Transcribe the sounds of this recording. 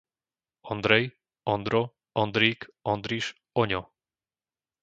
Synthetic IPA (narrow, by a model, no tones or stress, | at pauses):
ɔnd̪ɾɛj | ɔnd̪ɾɔ | ɔnd̪ɾiːkɔnd̪ɾiʃ | ɔɲɔ